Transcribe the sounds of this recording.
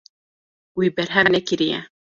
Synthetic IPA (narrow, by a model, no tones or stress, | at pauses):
wibɛɾɦɛnɛkɪɾijɛ̰